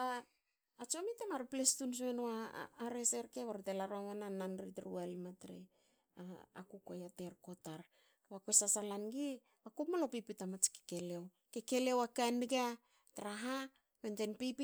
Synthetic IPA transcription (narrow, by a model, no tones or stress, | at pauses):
aː | t͡ʃomitamaɾplestuns̬uenoa̰ːɾese̞ɾkeβaɾtelaɾoamananːanɾitɾṵalmatɾḛ | aa̰kukojate̞ɾko̞taɾ | βakwesasalanɡi | akupmalopipitamat͡ʃke̥ke̞lew | keke̞lewakanɡa | tɾaɦa | wente̞npipi